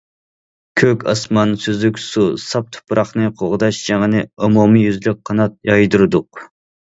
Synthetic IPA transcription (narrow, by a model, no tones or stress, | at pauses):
kʲʰøkʲɑ̰smɑnsøzykʲsusɑp̚t̪ʰʊ̥pʰːɾɑχnɨqʰoʁʊd̪ɑʃʒɑŋənɨumumijyzlɪk̚ʲqʰɑnɑt̪̚jɑjd̪uɾɨd̪ʊq̚